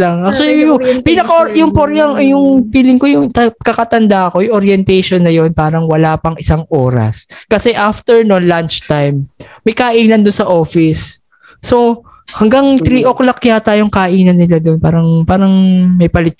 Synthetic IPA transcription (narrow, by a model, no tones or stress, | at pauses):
laŋɐsoʊpinɐkaʔjʊŋpoɾjɐŋjʊŋpiːlɪŋkojʊŋt̪ɐkɐkɐt̪ɐnd̪aɐko̞jʊŋʔoɾjɛnt̪ɛjʃonːɐjo̞npaːɾɐŋwɐlaːpɐŋɪsaŋʔoːɾɐ̰skɐsɛʔaft̪ɛɹnonlant͡ʃt̪ajmːɐjkaʔiːnɐnd̪onsɐʔo̞ːfɪsː | o | hɐŋɡaŋt̪ɾiːʔoklɐkːɐjaːt̪aːjoŋkaʔiːnɐnːɪlad̪onpaːɾɐŋpaːɾɐŋmɐjpɐlɪt̪̚